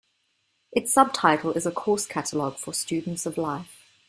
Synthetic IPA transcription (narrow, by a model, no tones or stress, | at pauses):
ʔɪtsʌb̚tʰaɪtʰˡl̩ˠɪzəkʰɔˑskʰatəlɔɡ̥fəstt͡ʃʉːdⁿn̩tsəvlaɪf